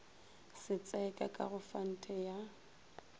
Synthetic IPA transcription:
sɪt͡sʼɛkʼa̰kʼa̰ɣʊfan̩tʼɛja

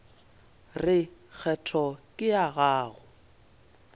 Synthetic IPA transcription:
rɪk͡xʰɛtʰɔkʼɪaɣaːɣʊ

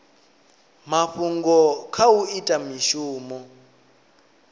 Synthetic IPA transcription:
maɸuŋɡɔkʰawuitʼamiʃuːmɔ

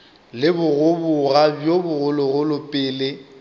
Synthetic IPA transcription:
lɪbʊɣʊbʊɣabjobʊɣʊlʊɣʊlʊpʼɪːle

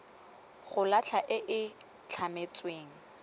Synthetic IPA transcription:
χʊlat͡ɬʰaʔɪʔɪ | t͡ɬʰamet͡sʼweːŋ̩

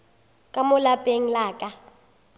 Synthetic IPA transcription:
kʼamʊlabʼeŋ̩laːkʼa

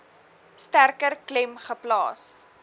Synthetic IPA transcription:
stærkərklɛmχəplɑ̰ːs

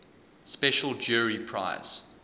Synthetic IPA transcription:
spɛʃəlˠd͡ʒuːɹipʰɹ̥a̰ɪz̥

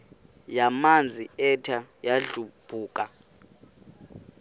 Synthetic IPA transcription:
jamand͡zʱiɛtʰajaɮub̥ʱuːkʼa

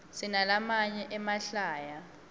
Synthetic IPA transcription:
sinalamaɲɛʔɛmaɬaːja

